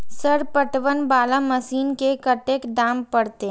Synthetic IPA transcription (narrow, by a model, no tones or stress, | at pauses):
səɾpəʈʋənbaːlamɐsiːnkekɐʈeːkɖãːmpɐɽt̪e